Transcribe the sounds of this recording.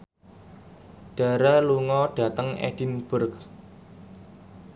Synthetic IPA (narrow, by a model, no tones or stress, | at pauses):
ɖ̥a̤ɾaluŋɔɖ̥a̤t̪əŋɛ̰d̥inb̥ʊrk̚